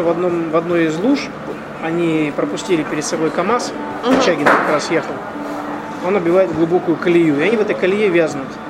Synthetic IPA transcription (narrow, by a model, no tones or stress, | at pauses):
vɐd̪nomvɐd̪no̞jɪzlˠuʂ | ɐnʲipɾəpʊsʲtʲilʲɪpʲɪɾʲɪd̪sɐbo̞jkɐmas | t͡ɕæɡʲɪnkɐkɾasjexəlˠ | o̞nɐbʲjɪvajɪtd̪ɡlˠʊbo̞kʊjʊkəlʲɪjuɪɐnʲivɛt̪əjkəlʲɪjevʲaznʊt̪